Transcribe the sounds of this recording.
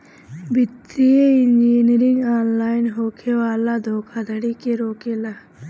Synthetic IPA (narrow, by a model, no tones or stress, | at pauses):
bʱɪt̪ɾieɪnd͡ʒiːniɾɪŋɡaːnlaːɪnɦoːkʰewaːlad̪ʱoːkʰad̪ʱəɽikeɾoːkelaː